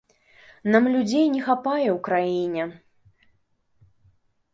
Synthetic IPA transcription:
namlʲud͡zʲejnʲɛxapajɛwkɾajinʲɛ

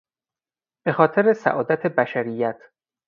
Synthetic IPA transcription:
b̥e̞xɒːt̪ʰe̞ɾesæ̰ʔɒːd̪æt̪ʰebæʃæɾijːæt̪ʰ

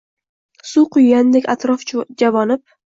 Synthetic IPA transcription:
suqʰʊjɡʲand̪ekʲat̪ɾɒfd͡ʒavɒnɪp̚

